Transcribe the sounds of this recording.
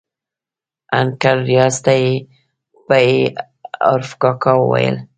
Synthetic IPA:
aŋkaɾːijɑst̪aje | bae | a̰ɾfkɑkɑwə̰wa̰jə̰l

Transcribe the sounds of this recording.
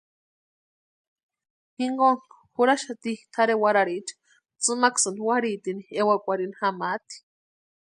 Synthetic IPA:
hiŋɡon | xuɾaʃat̪ixt̪ʰaɾewaɾaɾit͡ʃḁ | t͡sɨmaksɨnwaɾit̪iniewakʷaɾinxamat̪i̥

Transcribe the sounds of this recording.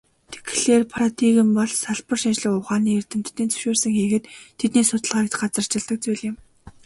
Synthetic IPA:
t̪ʰe̥kɮeːrpʰaɾat̪iɣɘ̆mpɔɮsaɮpə̆rʃint͡ɕɮɘ̆kʊwχaːniːert̪ɘ̆m̥t̪ːiːnt͡sɵ̥ʃoːrsə̆ŋxiːɣɘ̆t̪ʰːet̪niːsʊt̪ə̆ɮʁaːkt̪ɢat͡sə̆r̥t͡ɕɪ̆ɮt̪ə̆k̚t͡sujɮɪ̆m

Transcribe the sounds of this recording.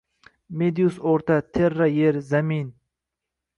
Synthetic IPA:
med̪ijusoɾt̪at̪ʰeɾːajeɾzamin

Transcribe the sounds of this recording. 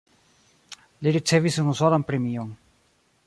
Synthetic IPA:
liɾit͡sevisunusolanpɾemion

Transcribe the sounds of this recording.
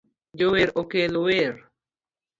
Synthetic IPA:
joweɾʔokeloweɾ

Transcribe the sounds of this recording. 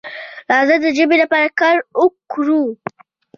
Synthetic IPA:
lɑzəd̪əd͡ʒəbelapɑɾakaɾʊkɾu

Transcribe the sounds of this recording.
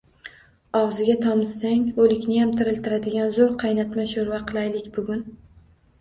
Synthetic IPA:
ɒwzɪɡʲat̪ʰɒmɪsːaŋolɪkʲnɪjamt̪ʰɪɾɪlt̪ɪɾad̪ɪɡʲanzoɾqʰɑjnat̪maʃoɾvaqʰɨlˠajlɪkʲbʊɡʲʊn

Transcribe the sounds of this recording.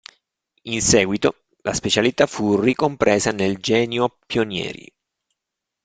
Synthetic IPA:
insɛːɡwit̪o | laspet͡ʃalit̪afurikompɾʔeːzaneld͡ʒɛːnjopjonjɛ̰ːɾḭ

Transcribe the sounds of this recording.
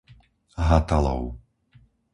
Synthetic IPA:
ɦat̪alɔ̰ʊ

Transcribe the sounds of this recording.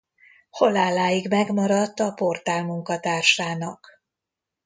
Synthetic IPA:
ho̞laːlːaːjiɡmɛɡmɒɾɒt̪ːɒpo̞rt̪aːlmuŋkɒt̪aːrʃaːnɒk

